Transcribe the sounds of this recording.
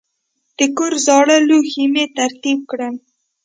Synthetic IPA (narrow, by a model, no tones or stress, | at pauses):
d̪̥əkoɾzɑɽəluximet̪aɾt̪ib̚kɽəm